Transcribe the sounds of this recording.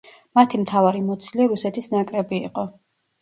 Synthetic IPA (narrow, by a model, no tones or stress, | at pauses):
mat̪ʰimt̪ʰavaɾimɔt̪sʰilɛɾusɛt̪ʰisnakʼɾɛbḭːqʼɔ